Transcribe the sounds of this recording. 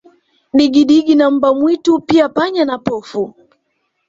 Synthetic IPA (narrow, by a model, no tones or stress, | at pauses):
ɗiɡiɗiɡinam̩bamwitupiapaɲanapɔfu